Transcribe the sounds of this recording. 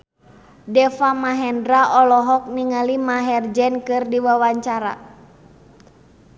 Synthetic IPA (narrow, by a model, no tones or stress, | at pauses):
dɛfamaɦɛndɾaʔɔlɔɦɔk̚niŋalimaɦɛrd͡ʒɛnkɨrdiwawaɲt͡ʃaɾa̰